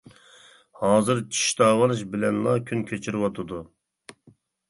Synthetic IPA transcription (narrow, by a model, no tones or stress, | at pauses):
hɑːzɨɾt͡ʃʰi̥ʃt̪ɑːwɑlˠɨʃbɪlɛnlˠɑkʲʰynkʲʰøt͡ʃʰiɾɪwɑt̪ʰɨd̪u